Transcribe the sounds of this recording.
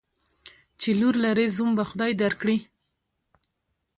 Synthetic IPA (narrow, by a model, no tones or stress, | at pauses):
t͡ʃeluɾlaɾezumbaxʊd̪ɑjd̪aɾkɽi